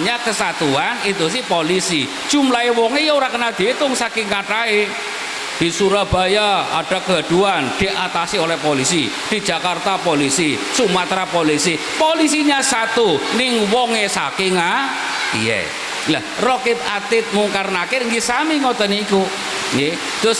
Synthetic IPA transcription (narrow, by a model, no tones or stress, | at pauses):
ɲakəsat̪uanit̪us̬ɪhpolisid̥ʒ̥ṳmlaewɔŋejɔoɾakənad̪̥et̪ʊŋsakɪŋkaʈae | d̪̥i̤suɾab̥a̤jaa̰ɖ̥a̤kɡaɖ̥uand̪̥i̤ʔat̪asiolɛhpolisi | d̪̥i̤d̥d͡ʒ̥a̤kart̪apolisisumat̪ɾapolisi | polisiɲasat̪unɪŋwɔŋesa̰kɪŋa | ḭjḛ | la̰h | rɔkɪp̪at̪ɪt̪̚muŋkaɾnakeŋɡisamiŋɔt̪ɔniːku | ŋe | d̪̥ʊs